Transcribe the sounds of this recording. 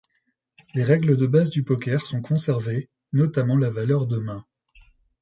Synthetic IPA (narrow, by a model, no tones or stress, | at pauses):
leʁɛɡləd̪əbazd̪ypɔkʲɛʁsɔ̃kʰɔ̃sɛʁve | nɔt̪amɑ̃lavalœʁd̪əmɛ̃